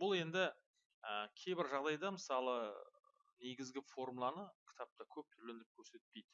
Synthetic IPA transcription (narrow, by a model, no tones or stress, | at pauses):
bʊlˠe̞nd̪ɪ | əkʲʰe̞jbɪɾʒɑʁd̪ɑjd̪ɑməsɑlˠə | ne̞ɡʲɪzɡʲɪfo̞rmulˠɑnəkʲʰɪ̥t̪ɑp̚t̪ɑkʲʰɵp̚t̪ʰʏɾlend̪ɾɪp̚kʲʰɵɾse̞t̪̚pe̞jd̪ɪ